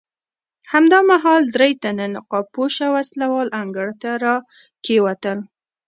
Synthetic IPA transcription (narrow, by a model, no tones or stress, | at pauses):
hamd̪ɑmaɦɑld̪ɾejt̪ananɪqɑpoʃawaslawɑlʔaŋɡəɽt̪aɾɑ | kewat̪əl